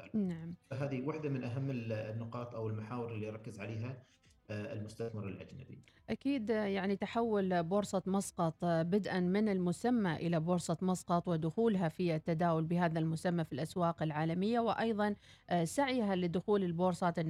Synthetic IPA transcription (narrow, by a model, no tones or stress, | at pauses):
a̰naʕamfaɦaːðiwaħd̪amɪnʔaɦamːɪnːʊqɑːt̪ˤʔawɪlmaħaːwɪɾɪlːiɾˤɑkːɪzʕaleːɦa | ɪ̰lmʊst̪aθmɪɾˤɪ̰lʔa̰d͡ʒna̰bḭʔakiːd̪jaʕnit̪aħawːɪlboːɾsˤɑt̪mɑsˤqɑt̪ˤbɪd̪ʔanmɪnɪlmʊsamːaʔɪlaboːɾsˤɑt̪mɑsˤqɑt̪ˤwɪd̪ʊxuːlɦafiat̪ːad̪aːwʊlbɪɦaːðalmʊsamːafilʔaswɑːqɪlʕaːlamɪjːawɪʔɑjðˤɑn | saʕjɦalɪd̪ʊxuːlɪlboːɾsˤɑːt̪ɪnː